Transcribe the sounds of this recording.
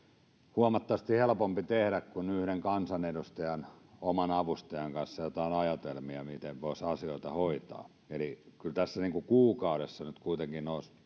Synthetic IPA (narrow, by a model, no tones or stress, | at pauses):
huɑmɑt̪ːɑʋɑst̪ihelpompit̪ehɾækkunyhɾeŋkɑnsɑnedust̪ɑjɑnomɑnɑʋust̪ɑjɑŋkɑnsːɑjot̪ɑinɑjɑt̪elmiɑmit̪eʋʋoisɑsioit̪ɑhoit̪ɑ̰ː | elikylt̪æsːæniːŋkukuːkɑuɾesːɑnyt̪kuit̪eŋkinois